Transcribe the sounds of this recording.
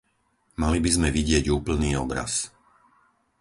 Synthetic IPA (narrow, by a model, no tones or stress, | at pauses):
malibizmɛʋiɟɪɛɟuːpl̩niːɔbɾa̰s